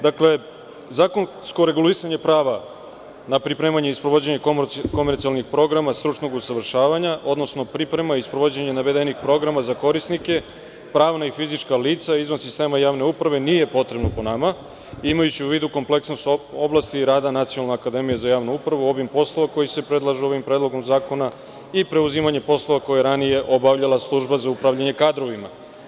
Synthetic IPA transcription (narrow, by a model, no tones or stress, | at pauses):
d̪akle̞ | zakon | sko̞ɾe̞ɡulisaɲe̞pɾaːʋa | napɾipɾe̞ːmaɲeispɾoʋod͡ʑe̞ɲe̞koko̞meɾtsialnixpɾo̞ɡɾamast̪ɾut͡ʃnoɡusaʋr̩ʃaːʋaɲaʔo̞d̪no̞sno̞pɾipɾe̞maispɾoʋod͡ʑeɲenaʋe̞d̪enixpɾo̞ɡɾamazako̞ɾisnike̞ | pɾaːʋnaifizit͡ʃkaliːt̪saizʋansist̪e̞ːmajaːʋne̞upɾaʋe̞nije̞po̞t̪ɾe̞bnopo̞nama | imajut͡ɕiuʋiːd̪uko̞mple̞ksnost̪o̞blˠast̪iɾaːd̪anat̪sijonalneakad̪e̞mijezajaːʋnuupɾaʋuo̞ʋimpo̞slˠo̞ʋako̞jise̞pɾe̞d̪lˠaʒeo̞ʋimpɾeːd̪lˠo̞ɡo̞mzaːkona | ipɾe̞uzimaɲe̞po̞slˠoʋako̞jaɾanije̞ʔo̞baʋʎalˠaslˠuʒbazaupɾavʎaɲe̞kaːd̪ɾo̞ʋima̰